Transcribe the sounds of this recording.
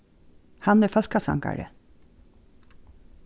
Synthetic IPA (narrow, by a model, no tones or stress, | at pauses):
hanːɛɹfœlkasa̰ŋka̰ɹə̰